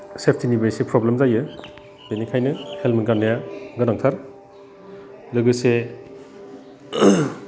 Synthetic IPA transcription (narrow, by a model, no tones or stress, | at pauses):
sep̚ʰtʰinibajsepɾɔblemzajɯ | benikʰajnɯhelmiɡanajaɡɯnaŋtʰaɾ | lɯɡɯse